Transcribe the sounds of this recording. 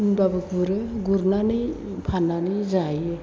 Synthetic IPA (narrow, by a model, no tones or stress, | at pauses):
nbabɯk̚buɾɯɡuɾnanɯj | pʰananɯzajɯ